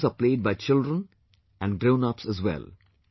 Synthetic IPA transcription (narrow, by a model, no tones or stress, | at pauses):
saːpleːɖ̚baɪt͡ʃɪlɖɾə̃n | æ̃ɳɖɡɾõʊ̃napsɛzʋɛ̰l